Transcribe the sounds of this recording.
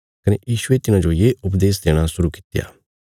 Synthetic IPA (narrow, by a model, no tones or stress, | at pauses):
kɐnḛjiːʃʊet̪ɪnãd͡ʒojeːʊpd̪eːsd̪eːɽ̃asʊɾukɪ̥t̪ɪja̰ː